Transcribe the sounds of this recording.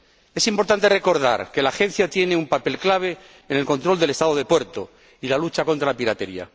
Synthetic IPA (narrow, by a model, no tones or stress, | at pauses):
e̞simpo̞ɾt̪ant̪e̞re̞ko̞ɾða̰ɾke̞laxẽ̞n̟θjat̪jene̞umpape̞lklaβ̞e̞ | ene̞lko̞nt̪ɾo̞ld̪ele̞st̪aðoð̞epwe̞ɾt̪o | ilalut͡ʃako̞nt̪ɾalapiɾat̪eɾia̰